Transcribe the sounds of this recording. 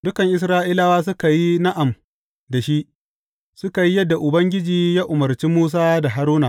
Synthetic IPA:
dʊ˦kɐ˨ŋʔɪ˦sɾaː˦ʔi˦la˦waː˦s̬ʊ˦ka˨ji˦na˦ʔa˨m | da˨ʃi˦ʔ | sʊ˦ka˨ji˦jɐ˦dːa˨ʔʊ˨bɐ˦ŋɡʲɪ˦d͡ʒiː˨jaː˦ʔʊ˨mɐ˨ɾt͡ʃi˦muː˦s̬aː˦da˨ɦa˦ɾuː˦naː˨

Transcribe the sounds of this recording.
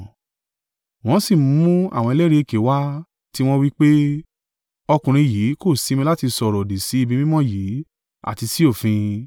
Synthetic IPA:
w̃ɔ̃˦si˦˨mũ˨˦mũ˦a̰˦˨w̃ɔ̃˧e˧lɛ˦ɾe˧˦e˧˨ke˨˦wa˦ | ti˦w̃ɔ̃˦wi˦k͡pe˦ | ɔ˧kũ˨ɾ̃ĩ˧jiː˨˦ko˦˨si˨˦mĩ˧la˦ti˧sɔ˧˨ɾɔ˨di˨si˨˦i˧bi˧mĩ˦mɔ̃˦˨jiː˨˦ | a̰˦˨ti˧si˦o˦˨fĩ˧

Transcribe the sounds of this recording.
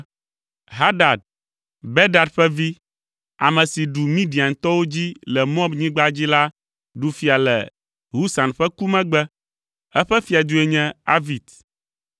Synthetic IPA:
ɦa˦ɖa˨d̚ | bɛ˦da˨dɸɛ˦vi˦ | a˨mɛ̃˨si˨ɖu˨mĩ˦ɖi˨a˨ŋ̩˨t̪ɔ˦wo˦d͡ʑi˦lɛ˨mɔ̃˦bɲĩ˦ɡ͡ba˦d͡ʑi˦la˦ | ɖu˨fi˨a˨lɛ̰˨ | ɦu˦sa˨nɸɛ˦ku˦mɛ̃˦ɡ͡bɛ˦ | ɛ˦ɸɛ˦fi˨a˨d̪u˦ɛ˨ɲɛ̃˦a̰˦vi˨t̪

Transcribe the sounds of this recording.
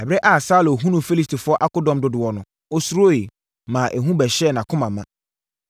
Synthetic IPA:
ɛ˨bɛ˦ʔa˨sa˦lo˨ɦũ˦nũ˨fi˦li˦sti˨fʊ˦ɔ˦ʔa˦kʊ˦dɔ̃˨mdʊ˨dʊ˨ɔ˨nʊ̃˨ | o˦su˦ɾo˦e˨ | mãː˨ʔæ˨ɦũ˦bɛ˨ɕɛ˦˨nã˨kʰʊ̃˦mã˨mã˦

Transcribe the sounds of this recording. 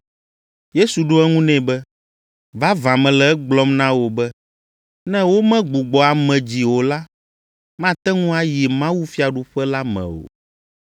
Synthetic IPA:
je˦su˨ɖo˦ɛ˦ŋũ˦nɛ̃˦˨bɛ˦ | va˦vã˨mɛ̃˨lɛ˨ɛ˦ɡ͡blɔ˦mnã˦wo˨bɛ˦ | nɛ̃˦wo˦mɛ̃˦ɡ͡bu˨ɡ͡bɔ˨a˨mɛ̃˨d͡ʑi˨wo˨la˦ | mã˦t̪ɛ˦ŋũ˦a˦ji˨mã˦wu˦fi˦a˨ɖu˨ɸɛ˦la˦mɛ̰̃˨wo̰˨

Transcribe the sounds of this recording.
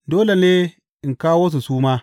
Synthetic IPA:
doː˦le˨neː˦ | ʔɪ˨ŋkaː˦woː˦s̬u˨suː˦maː˦

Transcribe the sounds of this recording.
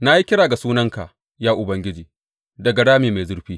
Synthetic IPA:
na˦ji˦kʲɪ˦ɽaː˨ɡa˨suː˦nɐ˦ŋka˨ | jaː˦ʔʊ˨bɐ˦ŋɡʲɪ˦d͡ʒiː˨ | dɐ˨ɡa˨ɽaː˦meː˨ma˨jzʊ˦ɽɸiː˦

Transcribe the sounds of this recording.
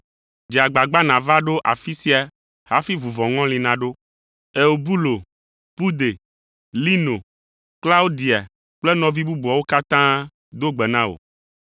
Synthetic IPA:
d͡ʒi˨a˨ɡ͡ba˨ɡ͡ba˦nã˨va˦ɖo˦ʔa̰˨fi˦si˦a˨ | ha˦fi˦vu˨vɔ̃˨ŋɔ̃˦lĩ˨nã˨ɖo˦ | e˨o˨bu˦lo˨ | pu˦d̪e˨ | li˦no˨ | kla˦o˦d̪i˨a˨ | k͡plɛ˦nɔ̃˨vi˦bu˦bu˨ɔ˨wo˦ka˦t̪ã˦ | d̪o˦ɡ͡bɛ˨nã˦o̰˨

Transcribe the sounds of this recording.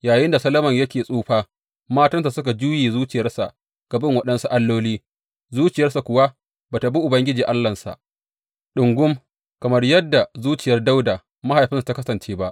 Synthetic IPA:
jaː˨jɪ˦nda˨sɐ˦lɐ˦mɐ˨ɲjɐ˦kʲeː˨sʼuː˦ɸaː˦ | maː˦tɐ˦ns̬a˨sʊ˦ka˨d͡ʒuː˦jeː˨zuː˦t͡ʃɪ˨jɐ˦rsa̰˨ʔ | ɡ̥ɐ˨bɪ˦ŋwɐ˦ɗɐ˦nsu˨ʔa˦lːoː˦liː˦ | zuː˦t͡ʃɪ˨jɐ˦rsa˨kʷʊ˨wa˦ | baː˨ta˨bi˦ʔʊ˨bɐ˦ŋɡʲɪ˦d͡ʒiː˨ʔa˦lːɐ˨nsa̰˨ʔ | ɗʊ˨ŋɡʷʊ˦m | kɐ˨mɐ˦rjɐ˦dːa˨zuː˦t͡ʃɪ˨jɐ˦rda˦wdaː˨ | ma˦ha˨jɸɪ˦nsu˨ta˦kɐ˦sɐ˨nt͡ʃeː˦ba˦ʔ

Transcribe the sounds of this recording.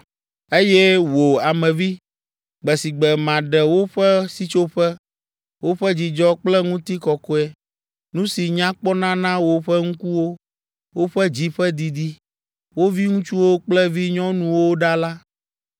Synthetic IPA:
e˦jɛ˦wo˨a˨mɛ̃˨vi˦ | ɡ͡bɛ˨si˨ɡ͡bɛ˨mã˨ɖɛ˨wo˦ɸɛ˦si˦t͡ʃo˦ɸɛ˦ | wo˦ɸɛ˦d͡ʑi˨d͡ʒɔ˦k͡plɛ˦ŋũ˦t̪i˦kɔ˨kɔ˦ɛ˨ | nũ˦si˨ɲã˦k͡pɔ˦nã˦nã˦wo˦ɸɛ˦ŋũ˦ku˦wo˦ | wo˦ɸɛ˦d͡ʑi˦ɸɛ˦d̪i˨d̪i˦ | wo˦vi˦ŋũ˦t͡ʃu˦wo˦k͡plɛ˦vi˦ɲɔ̃˦nũ˦wo˦ɖa˦la˦

